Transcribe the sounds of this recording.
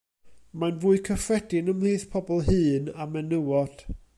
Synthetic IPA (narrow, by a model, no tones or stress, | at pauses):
manvuːɨkʰəfrɛdɪnəmliːθpʰɔbɔlˠɦɨːnamɛnəwɔd̥